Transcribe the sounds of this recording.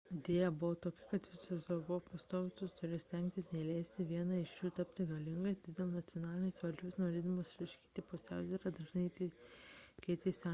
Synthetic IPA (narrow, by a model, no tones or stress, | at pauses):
ɪd̪ʲeːjɛbʊʋoːt̪oːkʲɪ̥kɐt̪ʋʲɪsʲosobʊʋoːpɐst̪oːʋʲɪt̪ʊst̪ʊɾʲɪsʲt̪ʲɛŋʲk̚ʲt̪ʲɪsnʲɛlʲæɪsʲt̪ʲɪʋʲiɛnɑɪʃjuːt̪ɐpʲt̪ʲɪɡɐlʲɪŋɡɐɪt̪ɪd̪ʲeːlˠnɐt̪ʲɪɔnɑːlʲɪnʲɛɪsʋɐlʲd͡ʒʲʊsnoːɾʲeːd̪ɐmoːsʃʲlʲɪʃʲkʲi̥ːt̪ʲɪpʊsʲæʊzʲɛːɾɐd̪ɐʒʲnʲɐt̪ʲɪ | kʲɛɪt̪ʲɛsʲɑ